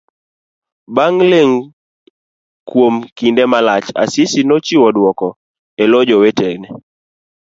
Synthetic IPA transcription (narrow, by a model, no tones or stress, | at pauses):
baŋleŋ | kwomkindɛmalat͡ʃa̰sɪsinɔt͡ʃiwɔdwɔkɔ | elod͡ʒɔwetɛɡnɛ